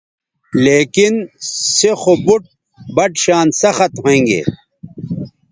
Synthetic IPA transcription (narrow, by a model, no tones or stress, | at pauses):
leːkinsexobuʈ̚ | bɐʈɕaːnsɐxɐt̪ɦoẽːŋɡḛː